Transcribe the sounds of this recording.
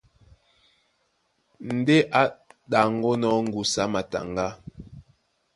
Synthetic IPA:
n̩˨de˦ʔa˦ɗa˨ŋɡo˦nɔ˦ŋ̩˦ɡu˨sa˨˦ma˨ta̰˨ŋɡa˦

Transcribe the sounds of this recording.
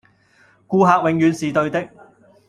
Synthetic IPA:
kuː˧ɦaː˧k̚wɪ˨ŋjyː˨nsiː˨t̪ɵ˧ɥt̪ɪ˥k̚

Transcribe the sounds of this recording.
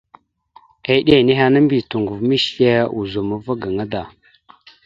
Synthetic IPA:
e˨˦ɗe˦˨ne˦ɦa˦na˦mbi˨tu˨ŋɡu˨vmi˦ʃje˦u˨zu˨ma˦va˦ɡa˨ŋa˦da˨

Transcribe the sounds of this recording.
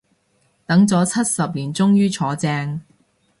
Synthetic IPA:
t̪ɐ˨˥ŋt͡sɔː˨˥t͡sʰɐ˥t̚sɐ˨p̚liː˨˩nt͡sʊ˥ŋjyː˥t͡sʰɔː˨˥t͡sɛː˧ŋ

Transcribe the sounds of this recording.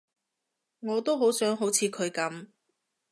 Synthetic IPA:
ŋɔː˨˧t̪o˥wɦo˨˥wsœː˨˥ŋɦo˨˥wt͡sʰiː˧kʰɵ˨˧ɥkɐ˨˥m

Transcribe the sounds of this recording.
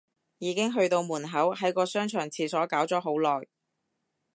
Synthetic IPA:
jiː˨˧kɪ˥ŋɦɵ˧ɥt̪o˧wmuː˨˩nɦɐ˨˥wɦɐ˨˥jkɔː˧sœː˥ŋt͡ʃʰœː˨˩ŋt͡sʰiː˧sɔː˨˥kaː˨˥wt͡sɔː˨˥ɦo˨˥wlɔː˨˩j

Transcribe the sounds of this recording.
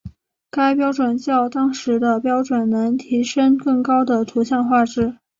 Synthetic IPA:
ka˥ɪpjɑ˥ʊʈ͡ʂwə˨˩nt͡ɕjɑ˥˩ʊt̪ɑ˥ŋʂɻ̩˧˥d̪ə˧pjɑ˥ʊʈ͡ʂwə˨˩nnɤ˧˥ŋt̪ʰi˧˥ʂə˥ŋkɤ˥˩ŋkɑ˥ʊd̪ə˨t̪ʰu˧˥ɕjɑ˥˧ŋxwa˥˧ʈ͡ʂɻ̩˥˩

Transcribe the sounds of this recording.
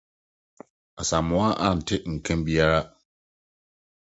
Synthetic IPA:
a˨sa˨mʊ̃˨˦a˦ʔã˦˨n̩˨tʰɪ˦ŋ̩˨kʰɛ̃˦mbi˦a˦ɾa˦

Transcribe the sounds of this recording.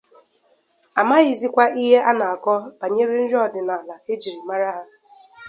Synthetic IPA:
a˨ma˦ɣi˨zi˦kʷa˦ʔi˦ɦe˦ʔa˦na˨a˨kɔ˦b̥a˨ɲe˦ɾe˦n̩˦ɾɔ˦dɪ˨na˨la˨e˦d͡ʒi˨ɾi˨ma˦ɾa˦ɦa˦

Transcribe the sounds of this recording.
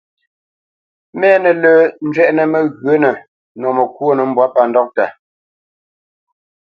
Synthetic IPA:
mɛː˦nə˨ləː˨n̩˦d͡ʒɥɛ˦ʔnə˨mə˨ɣɰə˦nə˨ | nɔ˨mə˨kwo˦nə˨m̩˦bwa˦pa˨ndɔ˦k̚ta˨

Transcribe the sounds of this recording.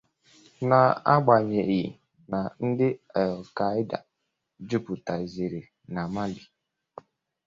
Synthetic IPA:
na˨a˦ɡ͡ba˨ɲe˨i˨ | na˨n̩˦dɪ˦a˨lka˨˦i˦da̰˨ | d͡ʒu˦pu˨ta˨zi˨ɾi˨ | na˨ma˦li˨

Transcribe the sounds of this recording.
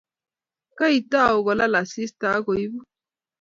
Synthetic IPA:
ka˦i˨ta˦˨o˨ɣɔ˨la˦la˨si˦sta˨˦ɡo˨i˦bɔ˦

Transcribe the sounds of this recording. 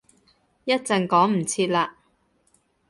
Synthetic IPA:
jɐ˥t̚t͡sɐ˨ŋkɔː˨˥ŋm̩˨˩t͡sʰiː˧t̚laː˧

